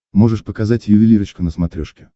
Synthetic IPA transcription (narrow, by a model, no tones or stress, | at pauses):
mo̞ʐɨʂpəkɐzatʲjʊvʲɪlʲiɾət͡ɕkʊnəsmɐt̪ɾʲoʂkʲɪ